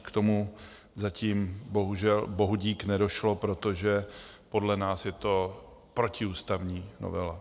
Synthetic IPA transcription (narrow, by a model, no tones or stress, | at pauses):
kt̪o̞mu | zaciːmbo̞ɦuʒɛlbo̞ɦuɟiːknɛdo̞ʃlo̞pɾo̞t̪o̞ʒɛpo̞dlɛnaːsjɛt̪o̞ | pɾo̞cɪuːst̪avɲiːno̰vɛ̰la